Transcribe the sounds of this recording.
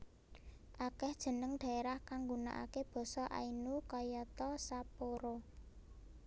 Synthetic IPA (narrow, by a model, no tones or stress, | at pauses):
ʔakɛhd̥ʒ̥ə̤nəŋd̥a̤eɾahkaŋɡuna̰ʔa̰keb̥ɔ̤sɔʔa̰inukɔjɔt̪ɔsapoɾo